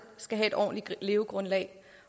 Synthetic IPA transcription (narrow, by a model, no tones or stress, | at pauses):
sɡ̥æɦæe̝d̥ɒ̰ːnlile̝ːʊɡ̥ʁɔ̽nlɛ̰ɪ